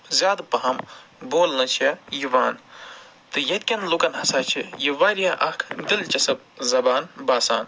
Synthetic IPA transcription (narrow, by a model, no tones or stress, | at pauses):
zʲjaːd̪pɐɦɐmboːlnɨt͡ʃʰijiʋaːn | t̪ɨjɐt̪̚ʲkʲɐnlukɐnɦɐsaːt͡ʃʰijiʋaːɾijaʔɐkʰd̪ilt͡ʃɐsɐb̚ | zɐbaːnbaːsaːn